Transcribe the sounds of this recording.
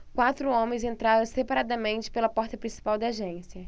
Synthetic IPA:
kwat̪ɾʊõmẽj̃zẽnt̪ɾaɾɐ̃sepaɾad̪ɐmẽnt͡ʃɪ̥pelɐpɔɾt̪ɐpɾĩsi̥pawd̪ɐaʒẽsiɐ

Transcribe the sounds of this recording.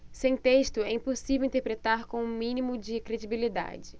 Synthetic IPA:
sẽj̃t̪eʃt̪ʊɛĩposivewĩnt̪eɾpɾet̪aɾkõũmĩnimʊd͡ʒɪkɾed͡ʒibilid̪a̰d͡ʒɪ

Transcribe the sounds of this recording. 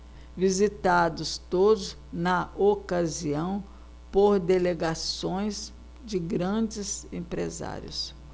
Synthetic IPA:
vizit̪ad̪ʊst̪od̪ʊs | nɐʔokaziɐ̃w̃ | poɾd̪eleɡasõj̃s | d͡ʒɪɡɾɐ̃d͡ʒɪzẽpɾḛza̰ɾjʊ̰s

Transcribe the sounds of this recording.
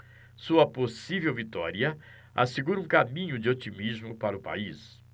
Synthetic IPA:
suɐposivewvit̪ɔɾiɐ | a̰seɡuɾɐũkamĩɲʊd͡ʒɪot͡ʃimizmʊpaɾʊpa̰is

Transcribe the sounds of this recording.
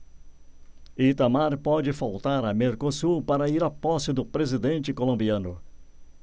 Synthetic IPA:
it̪amaɾpɔd͡ʒɪfawt̪aɾɐmeɾkosuɾpaɾɐiɾapɔsɪd̪ʊpɾezid̪ẽnt͡ʃɪkolõmbiɐ̃nʊ

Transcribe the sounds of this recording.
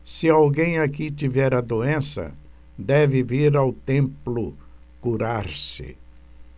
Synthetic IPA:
sɪawɡẽj̃akit͡ʃivɛɾɐd̪oẽsɐ̰ | d̪ɛvɪviɾawt̪ẽmplʊ | kuɾaɾsɪ̰

